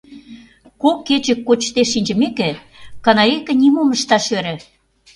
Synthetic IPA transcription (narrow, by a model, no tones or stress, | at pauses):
kokːet͡ɕə̆kːot͡ɕt̪eʃːinʲd͡ʑə̆mekĕ | kɑnɑɾʲekĕnʲimoməʃt̪ɑʃøɾĕ